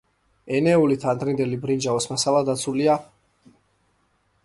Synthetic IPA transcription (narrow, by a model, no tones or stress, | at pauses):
ɛnɛulit̪ʰand̪ɾind̪ɛlibɾind͡ʒaɔsmasalˠad̪at̪sʰulia